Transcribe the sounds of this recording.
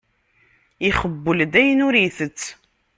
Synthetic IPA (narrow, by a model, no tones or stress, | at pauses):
iχəbːəld̪æjənuɾiθət͡sː